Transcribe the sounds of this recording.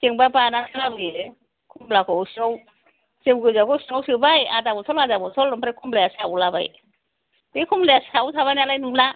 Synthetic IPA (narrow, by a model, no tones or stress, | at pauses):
keŋbapanasʰɯlabje | kʰumlakɔsiɔw | sewɡɯjzakɔsiŋɔwsɯbajadabɔtʰɔlazabɔtʰɔlɔmpʰaɾakʰumlajasawlaba̰j | dekʰumlajasawtʰaβajnalajnumla